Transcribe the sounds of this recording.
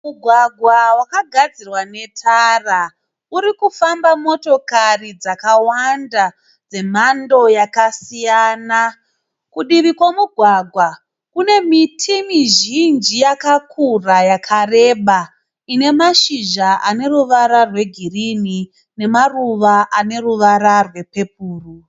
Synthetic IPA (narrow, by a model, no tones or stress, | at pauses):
muɡʱwaɡʱwawakaɡʱad͡zirwane̞tʰara | uɾikufambamo̞to̞karid͡zakawanda | d͡ze̞m̤ando̞jakasijaːna | kuɗiʋikwamuɡʱwaɡʱwa | kune̞mitʰimiʒind͡ʒijakakʰurajakʰare̞ːɓa | ine̞maʃiʒaʔane̞ruʋaɾarwe̞ɡʱirini | ne̞maruʋaʔane̞ruʋaɾarwe̞pe̞p̚uːru